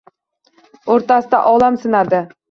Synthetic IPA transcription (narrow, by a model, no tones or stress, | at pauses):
oɾt̪asɪd̪a̰ʔɒlˠamsɪnad̪ɪ